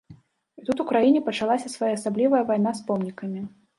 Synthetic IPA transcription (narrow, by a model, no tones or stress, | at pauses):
it̪ut̪ukɾajinʲɛpɐt͡ʂalˠasʲɐsvajaɐsablʲivɐjɐvajn̪aspɔmnʲikɐmʲi